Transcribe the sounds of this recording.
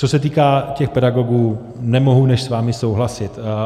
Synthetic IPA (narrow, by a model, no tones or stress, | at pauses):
t͡so̞sɛt̪̬iːkaːcɛxpɛdaɡo̞ɡuː | nɛmo̞ɦunɛʃsvaːmɪso̞wɦlasɪt̪